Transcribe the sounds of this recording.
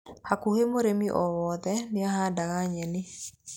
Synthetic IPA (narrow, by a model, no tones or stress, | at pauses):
hakuhemoɾemiʔɔwɔðɛnɪaɦadaɣaɲɛni